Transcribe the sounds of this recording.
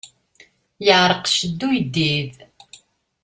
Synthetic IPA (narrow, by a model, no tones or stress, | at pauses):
jəʕɾˤəqʃəd̪ːujəd̪ːið